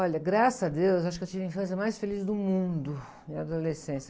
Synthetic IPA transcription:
ɔʎɐɡɾasɐad̪ewzaʃʊkewt͡ʃivɐ̃ĩfɐ̃s̬jɐmajsfelizd̪ʊmũd̪ʊ | ĩad̪olesẽsjɐ

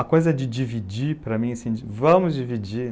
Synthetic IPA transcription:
ɐkojzɐd͡ʒɪd͡ʒivid͡ʒipɾɐmĩsĩd͡ʒɪvɐ̃mʊzd͡ʒivid͡ʒi

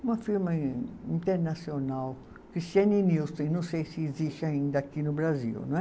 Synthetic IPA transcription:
ũmɐfiɾmɐĩnt̪eɾnasjonaw | kɾist̪ianiniwst̪ẽj̃nɐ̃w̃sejsɪːzisaĩnd̪ɐakinʊbɾazḭwñɛ

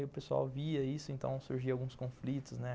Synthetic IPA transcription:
ʊpesua̰wviɐisʊẽnt̪ɐ̰̃w̃suɾʒiɐawɡũskõflit̪ʊznɛ

